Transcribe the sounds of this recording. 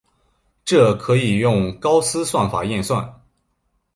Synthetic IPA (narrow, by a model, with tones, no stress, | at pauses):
ʈ͡ʂɤ˥˩kʰɤ˧˥i˨˩jʊ˥˧ŋkɑ˥ʊsɹ̩˥swa˥˩nfa̰˨˩jɛ˥˧nswa̰˥˩n